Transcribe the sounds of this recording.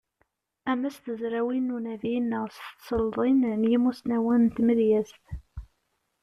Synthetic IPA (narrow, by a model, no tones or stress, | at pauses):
æmæst̪əzɾæwinːunævinːəst̪t̪səld̪ˤinnjimusnæwænt̪məðjæzt̪